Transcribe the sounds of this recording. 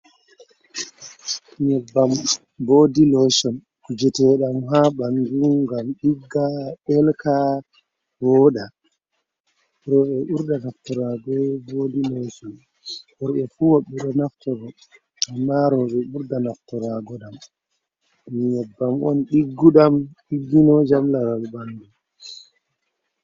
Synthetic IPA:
ɲɛbːam | boːdilɔjsɔn | kud͡ʒɛtɛɗamɦaɓand͡ʒuɡamɗiɡːaɓɛlka | bɔːɗa | ɾɔɓɛʔuɾdanaftɔɾaɡɔvodinɔsɔ | hɔɾɓɛfuwaɓːiɗɔnaftɔɾɔ | amːaɾɔɓɛuɾdanaftɔɾaɡɔɗam | ɗmjɛbːamɔnɗiɡːuɗamɗiɡːinɔd͡ʒamlaɾalbandum

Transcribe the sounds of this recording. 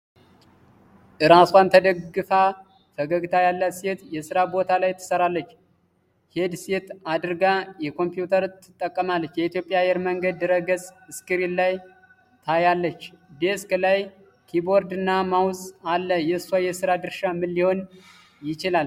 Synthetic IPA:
ʔɨɾaswant̪ʰəd̪əɡːɨfa | fəɡəɡt̪ʰajalːəset̪jɛsɨɾabo̞t̪ʰalajt̪ʰːɨ̥səɾalːət͡ʃː | hed̪set̪ad̪ɨɾɡajɛkʰo̞mpjut̪ʰəɾt̪ʰːɨt̪ʼːəkʼːəmalːət͡ʃːjɛit̪jo̞pʼːjajɛɾməŋɡəd̪ːɨɾəɡəsʼɨskʼɨɾillaj | t̪ʰajalːət͡ʃːd̪eskʰlaj | kʰibo̞ɾd̪ɨnːamawzʼalːəjɛswajɛsɨɾad̪ɨɾʃamːɨlːiho̞n | jɪt͡ʃɪlal

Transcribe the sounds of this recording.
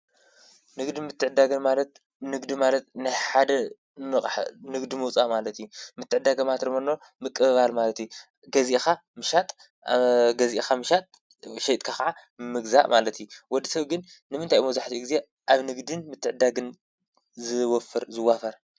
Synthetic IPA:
nɨɡd̪imɨt̪ʰːɨʕɨd̪ːaɡɨnmalɐt̪ | nɨɡd̪imalɐt̪najħad̪ɐ | nɨχʼħnɨɡd̪imɨwt͡sʼaʔmalɐt̪jumɨt̪ʰːɨʕɨd̪ːaɡɐmat̪ɾɨmɐno | mɨkʼːɨβalmalɐt̪ju | ɡɐzʔexa | mɨʃat̪ʼ | ɡɐziʔexamɨʃat̪ʼ | ʃejt̪ʼkʰakaʕamɨmɨɡza̰ʔmalɐt̪juwɔd̪isɐβɡɨnːɨmɨnt̪ʰajmɐzaħt̪ʰiɡize̞ | ʔaβnɨɡd̪ɨnmɨt̪ʰːɨʕɨd̪ːaɡɨn | zɨwɔfɨɾzɨwːafɐɾ

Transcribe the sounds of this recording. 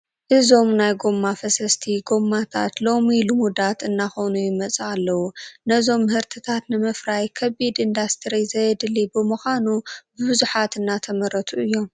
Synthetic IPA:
ʔɨzo̞mnajɡo̞mːafɐsɐst̪ʰiɡo̞mːat̪ʰa̰t̪lo̞milumud̪at̪ɨnːaxo̞nujɪmɐt͡sʼɨalːɐwunɐzo̞mːɨhɨɾt̪ʰɨt̪ʰat̪nɨmɐfɾajkʰɐβid̪ɨnd̪ast̪ʰɨɾizɐjɛd̪ɨlibɨmuxʷanubɨβɨzuħat̪ɨnːat̪ʰɐmɐɾɐt̪ʰuʔɨjːo̞m

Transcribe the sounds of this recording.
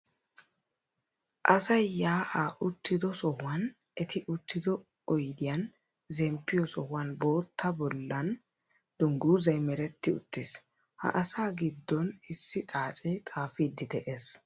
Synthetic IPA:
ʔɐsɐjːaːʔaːʔʊt̪ːɪd̪ɔsɔhʊwɐn | ʔɛt̪ɪʔʊt̪ːɪd̪ɔ | ɔjd̪ɪjɐn | zɛmpːɪjɔsɔhʊwɐnbo̞ːt̪ːɐbɔlːɐn | d̪̥ʊŋɡuːzɐjmɛɾɛt̪ːɪʊ̰t̪ːeːs | hɐ̰ʔɐsaːɡɪd̪ːɔnɪsːɪt̪ʼaːt͡ʃʼɛt̪ʼaːfid̪ːɪd̪ɛʔeːs

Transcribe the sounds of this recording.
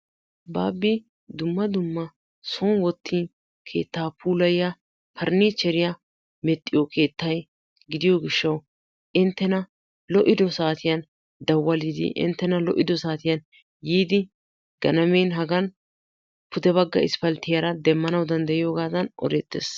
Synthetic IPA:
baːbːɪ | d̪ʊmːɐd̪ʊmːɐ | sonwɔt̪ʰːiːn | kʰe̞̰ːt̪ːaːpʰuːlɐjɪja | pʰɐɾniːt͡ʃːɛɾɪja | mɛt̪ʼːɪjɔkʰe̞ːt̪ːɐj | ɡɪd̪ɪjɔɡɪʃːɐw | ʔɪnt̪ːɛnɐ | lɔʔɪd̪ɔsaːt̪ɪjɐn | d̪ɐwːɐlid̪ɪ̰ʔɪ̰nt̪ːɛnɐlɔʔːɪd̪ɔsaːt̪ɪjɐn | jiːd̪ɪ | ɡ̥ɐnɐmenɦɐɡɐn | pʰʊd̪ɛβɐɡːɐ̰ɪ̰spɐlt̪ːɪjaɾɐd̪ɛmːɐnɐwd̪ɐnd̪ɐjɪjoːɡaːd̪ɐnʔɔ̰ɾɛt̪ːḛːs

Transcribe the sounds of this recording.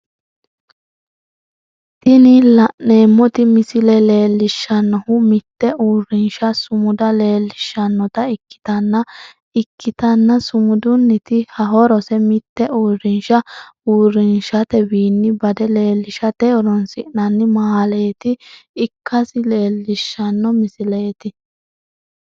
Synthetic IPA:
t̪ɪnɪlɐʔneːmːɔt̪ɪmɪsɪlɛle̞ːlːɪʃːɐnːɔhʊmɪt̪ːɛʔuːrɪnʃɐsʊmʊd̪ɐle̞ːlːɪʃːɐnːɔt̪ɐɪkːɪ̥t̪ɐnːɐ | ɪkːɪt̪ɐnːɐsʊmʊd̪ʊnːɪt̪ɪhɐɦɔɾɔsɛmɪt̪ːɛʔuːɾɪnʃɐuːrɪnʃɐt̪ɛbiːnːɪbɐd̪ɛle̞ːlːɪʃɐt̪ɛɔɾɔnsɪʔnɐnːɪmaːleːt̪ɪːkʰːɐsɪle̞ːlːɪʃːɐnːɔmɪsɪleːt̪ɪ

